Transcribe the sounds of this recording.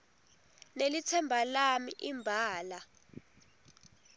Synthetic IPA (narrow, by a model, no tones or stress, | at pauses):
nelit͡sʰɛmbʱalamiʔimbʱaːla